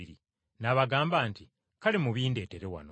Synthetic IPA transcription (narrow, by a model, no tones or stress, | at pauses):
iɾḭ | naβaɡaːmbaːnti | kalemuβiːnde̞ːte̞ɾewa̰no